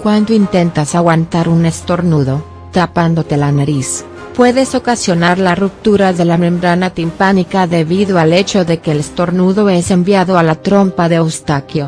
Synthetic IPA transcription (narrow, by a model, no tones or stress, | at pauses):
kwand̪oint̪e̞nt̪asaɣwant̪aɾune̞st̪o̞ɾnuðo̞ | t̪apand̪o̞t̪e̞lanaɾis | pwe̞ðe̞so̞kasjo̞naɾlarup̚t̪uɾaðelamẽ̞mbɾanat̪impanikaðe̞βiðo̞ale̞t͡ʃo̞ðe̞ke̞ːlest̪o̞ɾnuðo̞e̞se̞mbjaðo̞alat̪ɾo̞mpaðe̞owst̪akjo̞